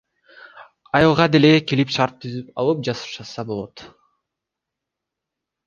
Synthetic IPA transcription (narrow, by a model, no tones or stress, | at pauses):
ɑjɑlˠʁɑd̪e̞lekilipʃɑɾt̪ʰːyzypɑ̰lˠɯp̚d͡ʒɑsɯ̥ʃɑsɑbo̞lˠot̪